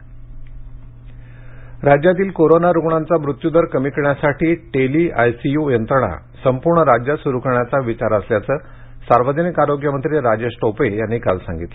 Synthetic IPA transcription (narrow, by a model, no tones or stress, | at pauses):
ɾad͡ʑjat̪iːlkoɾonaɾuɡɳant͡saʋɾut̪jud̪əɾkəmikɳjasaʈiːʈeliːʔajsijujənt̪ɾəɳa̰ | səmpuɾɳəɾad͡ʑjasuɾukəɳjat͡saʋit͡ɕaɾəsljat͡səː | saɾʋəd̪ʱinikaɾoɡjəmənt̪ɾeɾad͡ʑesʈopejanːiːkalsãŋɡit̪l